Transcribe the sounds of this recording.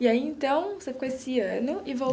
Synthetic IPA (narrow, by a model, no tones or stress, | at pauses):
iaiẽnt̪ɐ̃w̃osefi̥koesɪɐ̃nʊɪvo